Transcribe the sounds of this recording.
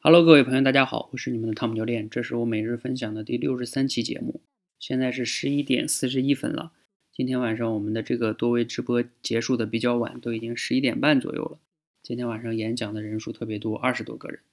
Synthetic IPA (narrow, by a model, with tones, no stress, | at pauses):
xa˧˩lo˥ʊk̬ɤ˥˧we˥˩pʰjo˧a˥˩t͡ɕja˥xɑ̰˨˩ʊwɔ˨˩ʂɻ̩˥˩ni˨˩ə˦nd̪ə˧t̪ʰm˧˩t͡ɕjɑ˥˧ʊljɛ˥˩nʈ͡ʂɤ˥˧ʂɻ̩˥˩wɔ˧˥me˨˩ɪɻɻ̩˥˩fə˥nɕ̬jɑ˨˩ŋd̪ə˦t̪i˥˧ljo˥˩ʊʂɻ̩˧˥sa˥nt͡ɕʰi˧˥t͡ɕjɛ̰˧˥mṵ˥˩ | ɕjɛ˥˧nt͡sa˥˧ɪʂ̬ɻ̩˥˩ʂɻ̩˧˥i˥t̪jɛ̰˨˩nsɹ̩˥˩ʂ̬ɻ̩˧˥i˥fə̰˥nlə̰˨ | t͡ɕi˥nt̪ʰjɛ˥nwa˨˩nʂɑ˥˩ŋwɔ˨˩mə˦nd̪ə˧ʈ͡ʂɤ˥˩ɡə˩t̪wɔ˥we˥˩ɪʈ͡ʂɻ̩˥pɔ˥t͡ɕjɛ˧˥ʂu˥˩d̪ə˩p̬i˨˩t͡ɕjɑ˥˩ʊwa̰˨˩˦nt̪o˥ʊi˨˩t͡ɕi˥ŋʂɻ̩˧˥i˥t̪jɛ˨˩npa˥˩nt͡swɔ̰˨˩jo̰˥˩ʊlə˩ | t͡ɕi˥nt̪ʰjɛ˥nwa˨˩nʂɑ˥˩ŋjɛ˧˥nɕjɑ˨˩ŋd̪ə˦ɻə˧˥nʂu˥˧t̪ʰɤ˥˩pjɛ˧˥t̪wɔ˥ʔɐ˥˩ʂɻ̩˧˥t̪wɔ̰˥ɡɤ̰˥˩ɻə̰˧˥n